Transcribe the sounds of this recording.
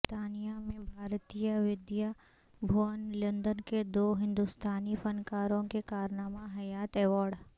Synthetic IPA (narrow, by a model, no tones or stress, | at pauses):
t̪aːnijamẽbʱaːɾt̪ijəʋɪd̪ja | bʱuənlə̃nd̪ənked̪oːɦɪ̃nd̪ust̪ʰaːnifɐnkaːɾõkekaːɾnaːmaɦɐjaːt̪ɛːʋaːɾɖ